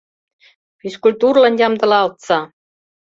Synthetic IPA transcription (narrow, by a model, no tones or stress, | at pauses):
fʲiskulʲt̪urlɑ̆njɑmd̪ɤ̆lɑːlˠt̪sɑ